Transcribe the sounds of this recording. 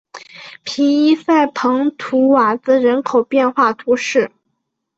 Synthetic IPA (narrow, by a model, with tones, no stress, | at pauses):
pʰi˧˥i˥sa˥˩ɪpʰɤ˧˥ŋt̪ʰu˧˥wa˨˩t͡sɹ̩˥ɻə˧˥nkʰo˨˩ʊpjɛ˥˧nxwa˥˩t̪ʰu˧˥ʂɻ̩˥˩